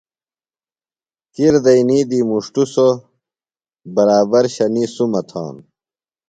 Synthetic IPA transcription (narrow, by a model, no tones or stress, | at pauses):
kiɾd̪ɐjniːd̪imuʂʈuso | bɐɾaːbɐɾɕɐnisumɐt̪ʰã̰ːn